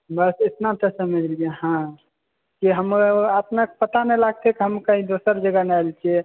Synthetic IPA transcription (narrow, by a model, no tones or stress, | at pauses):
bəset̪nat̪ʰəsəmed͡ʒlieɦã | kiɦəmat̪nəkpət̪anɛlaɡ̚t̪ʰɛkiɦəmkə̃ɦĩd̪osəɾd͡ʒəɡanajlt͡ʃʰɛ